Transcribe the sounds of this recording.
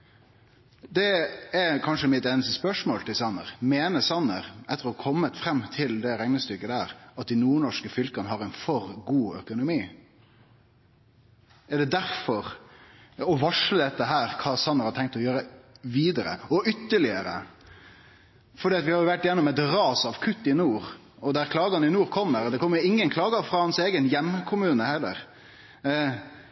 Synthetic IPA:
d̪ɛɛkʰɑnʂəmɪt̪eːnəst̪əspœʂmoːlt̪ɪlsɑnːə̰ɾmeːnəsɑnːəɾʔɛt̪ːəɾɔkʰɔmːət̪fɾɛmːt̪ʰɪld̪ɛɾæŋnəst̪ʏkːəd̪æːɾɑt̪̚d̪ɪnuːɳɔʂkəfʏlkɑnəhɑɾæɪnfɔɾɡuːœ̰kʊnʊmiː | ɛɖɛd̪æɾfɔɾ | ɔʋɑʂləd̪ɛt̪ːəɦæːɾkʰɑːsɑnːəɾhɑt̪ʰɛŋk̚t̪ɔjøːɾəʋiːd̪əɾə̰ɔʔʏt̪ːəɭɪəɾə̰ | fɔɖiːɑt̪ʋɪhɑɾjʊʋæʈːɪjɛnːɔmɛt̪ɾɑːsɑʋkʰʉt̪ːɪnuːɾ | ɔd̪æɾkʰlɑːɡɑnɪnuːɾkʰɔmːəɾd̪ɛkʰɔmːəʊɪŋːənkʰlɑːɡɑfɾɑhɑnseːɡənjɛmkʰʊmʉːnəhɛlːə̰ɾ

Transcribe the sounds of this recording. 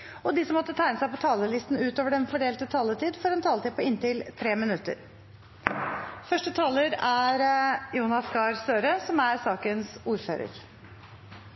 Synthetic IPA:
ɔd̪ɪsɔmːɔt̪ːət̪ʰæɪnəsæɪpɔt̪ʰɑːləlɪst̪n̩ʉːt̪oːʋəɖɛnfɔɖeːlt̪ət̪ʰɑːlət̪ʰiːd̪fɔɾɛnt̪ʰɑːlət̪ɪːd̪pʰɔɪnt̪ɪlt̪ʰɾeːmɪnʉt̪ə̰ɾ | fœʂʈət̪ʰɑːləɾæɾjuːnɑskɑːɾsøːɾəsɔmæɾsɑːkənsuːɾfø̰ːɾə̰ɾ

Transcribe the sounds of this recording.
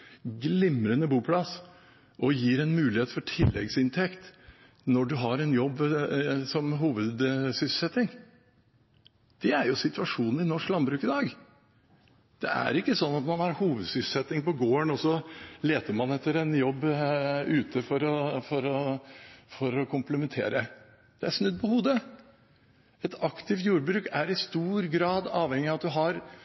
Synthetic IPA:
ɡlɪmɾənəbuːpʰlɑs | ʔɔjiːɾɛnmʉːlɪheːt̪fɔʈʰɪlːɛ̰ɡsɪnt̪ʰɛkt̪ | nɔɖʉɦɑɾɛnjɔbːsɔmɦuːʋəd̪sʏsl̩sɛt̪ːɪŋ | d̪̥ɛæɾjʊsɪt̪ʉʋɑʂuːnn̩ɪnɔʂklɑnbɾʉːkɪd̪ɑːɡ | d̪̥ɛ̰ʔæ̰ɾɪkːəsɔnːɑt̪mɑnɑɾhuːʋəd̪sʏsl̩sɛt̪ːɪŋpɔɡoːəɳɔsɔleːt̪əɾmɑnɛt̪ːəɾɛnjɔbːʉːt̪ʰəfɔɾɔfɔɾɔ | fɔɾɔkʰʊmpləmɛnt̪ʰḛːɾə | d̪̥ɛæɾʂnʉd̪̚ːpʰɔhuːd̪ə | ɛt̪ʰɑkt̪ʰɪft̪juːɾbɾʉːkæɾɪst̪uːɾɡɾɑːd̪ɑːʋhɛŋːɪɑʋɑt̪̚d̪ʉɦɑɾ

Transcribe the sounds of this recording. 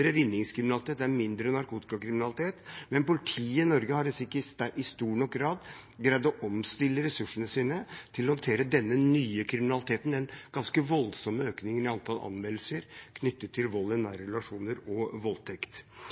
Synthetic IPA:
ɾəʋɪnːɪŋskʰɾɪmɪnɑlɪt̪ʰeːt̪æɾmɪnd̪ɾənɑɾkuːt̪ɪ̥kɑkʰɾɪmɪnɑlɪt̪ʰeːt̪mɛnpʊlɪt̪ʰiːəɪnɔɾɡəhɑɾsɪkːəʔɪst̪uːɳɔkɡɾɑːd̪ɡɾæɪd̪ɔʔɔmst̪ɪlːəɾɛsʉʂəɳəsiːnət̪ʰɪlɔhɑnt̪ʰeːɾəd̪ɛnːənyːəkʰɾɪmɪnɑlɪt̪ʰeːt̪nɛnɡ̥ɑnskəʋɔlsɔməøːknɪŋnɪɑnt̪ʰɑlɑ̰nmɛll̩səɾkʰnʏt̪ːət̪ʰːɪlʋɔlːɛnːæːɾɾɛlɑʂuːnəɾɔʋɔlt̪ʰɛkt̪

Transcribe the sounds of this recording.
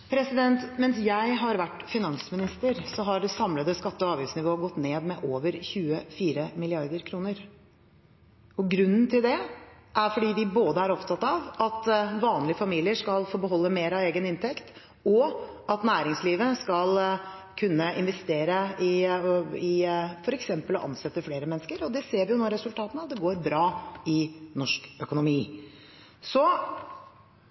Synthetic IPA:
pʰɾɛsɪd̪ɛnt̪mɛnsjæɪɦɑɾʋæʈːfɪnɑnsmɪnɪst̪əɾsɔɦɑɖɛsɑmləd̪əskɑt̪ːəɔɑːʋjʉsnɪʋoːɡɔt̪ːneːd̪mɛʔoːʋəɾçʉːəfiːɾəmɪlɪɑɾd̪əɾkʰɾuːnəɾ | ɔɡɾʉnːn̩t̪ʰɪld̪ɛʔæɾfɔɖiːd̪ɪboːd̪əæɾɔpt̪ʰɑt̪ːɑʋʔɑt̪ʋɑːnlɪəfɑmiːlɪəʂkɑlfoːbəɦɔlːəmeːɾɑeːɡənɪnt̪ʰɛkt̪ | ɔɑt̪næːɾɪŋsliːʋəskɑl | kʰʉnːəʔɪnʋɛst̪eːɾəɪ | ɪfɔɾɛksɛmpəlɔʔɑ̰nsɛt̪ːəfleːɾəmɛnːskəɾɔd̪ɛseːɾʋɪjʊnɔːɾɛsʉlt̪ʰɑːt̪ənɑt̪d̪ɛɡoːɾbɾɑːɪnɔʂkœkʊnʊmiː | sɔ

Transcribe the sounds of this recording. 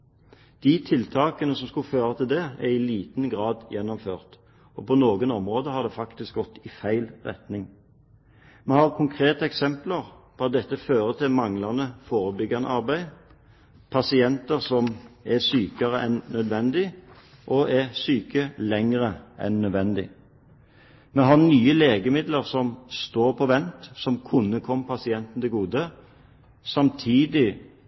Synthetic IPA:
d̪̥it̪ʰɪlt̪ʰɑːkənəsɔmskʉføːʁɑt̪ʰɪld̪ɛɛʁɪliːt̪nɡʁɑːd̪jɛnːɔmføːʁt̪ | ɔpʰɔnoːɡənɔmʁoːd̪əhɑd̪ɛfɑkt̪ɪsk̚ɡɔt̪ːɪfæɪlʁɛ̰t̪nɪŋ | mɛhɑːʁkʰʊŋkʰʁeːt̪əɛksɛmpləʁpʰɔɑt̪̚d̪ɛt̪ːəføːʁət̪ʰɪlmɑŋlɑnəfoːʁəbʏɡːɑnə̰ʔɑʁbæɪ | pʰɑsɪɛnt̪əʁsɔmɛsyːkɑʁəʔɛnnœd̪ʋɛnd̪ɪ | ʔɔʔæʁsyːkəlɛŋʁəʔɛ̰nːœd̪ʋɛnd̪ɪ̰ | mɛɦɑnyːəleːɡəmɪd̪ləʁsɔmst̪oːʁpʰɔʋɛnt̪sɔmkʰʊnːəkʰɔmːpʰɑsɪɛnt̪n̩d̪ɛɡuːd̪ə | sɑmt̪ʰiːd̪ɪ

